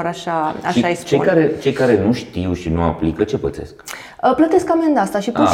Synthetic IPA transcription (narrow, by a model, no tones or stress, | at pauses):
ɾaʃaa̰ʃiaest͡ʃejkaɾet͡ʃe̞jkaɾe̞nuʃt̪iwʃinuaplikət͡ʃe̞pə̰t̪se̞̰sk | əplət̪e̞skame̞nd̪ast̪aʃipu